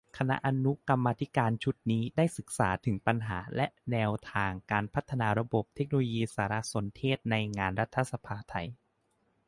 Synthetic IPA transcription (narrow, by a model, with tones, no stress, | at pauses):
kʰa˧na̰˦˥ʔa˧nu˦˥ka˧mːaː˧t̪ʰi˦˥kaː˧nt͡ɕʰu˦˥t̪̚niː˦˥daː˥˩jsɯ˨˩k̚sa̰ː˩˦t̪ʰɯ˩˦ŋpa˧nɦa̰ː˩˦lɛ˦nɛː˧wt̪ʰaː˧ŋkaː˧npʰa˦˥t̪ʰːa˧naː˧ɾa˧bo˨˩p̚t̪ʰe˦˥k̚noː˧lo˧jiː˧saː˩˦ɾa˦˥so˩˦nt̪ʰeː˥˩t̪̚na˧jŋaː˧nɾa˦˥t̪ʰːa˧˥sa˧pʰaː˧t̪ʰa˧j